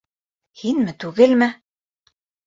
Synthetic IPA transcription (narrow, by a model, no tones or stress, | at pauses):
hinmɘt̪ʉɡɘlmɘ